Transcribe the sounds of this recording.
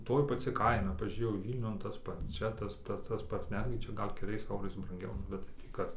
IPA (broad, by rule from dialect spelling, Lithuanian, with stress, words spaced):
ˈtoːj pɐˈt͡sʲɪ ˈkɐɪnɐ pɐʒʲuːˈrʲeːjɛʊ ˈʋʲiːlʲnʲʊn tɐs ˈpɐts ˈt͡ʃʲɛ tɐs ˈtɐ tɐs ˈpɐts ˈnʲæːdʲɡʲɪ ˈt͡ʃʲɛ ˈɡɐlʲ kʲɛˈlʲɛɪs ˈɛʊrɐɪs brɐŋʲˈɡʲɛʊ ˈnʊ bʲɛt tɐɪ ˈtʲiː ˈkɐt